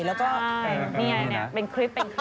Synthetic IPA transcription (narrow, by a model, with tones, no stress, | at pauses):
lɛː˦˥wkɔː˥a˥˩miː˧a˧a˧ŋni˦˥˦ɐ˥pe˧nkʰli˦˥pːe˧nkʰ